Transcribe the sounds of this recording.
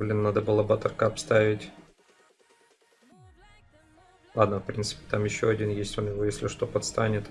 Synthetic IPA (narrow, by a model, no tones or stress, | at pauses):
blʲinːad̪əbɨlˠabəat̪ərkaɐpst̪avʲɪtʲ | lˠad̪nəfpɾʲint̪sɨ̥pʲɪ̥t̪amjɪɕːoɐdʲinjesʲtʲo̞njɪvo̞jesʲlʲɪʂt̪o̞pɐt̪st̪anʲɪt̪